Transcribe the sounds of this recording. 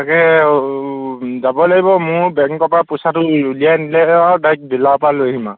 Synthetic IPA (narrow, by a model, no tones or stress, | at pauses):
akɛ | zabɔlaɡibɔmʊɹbɛŋkːɔpapʊsatʊulijanilɛadajk̚bilapaloɦima̰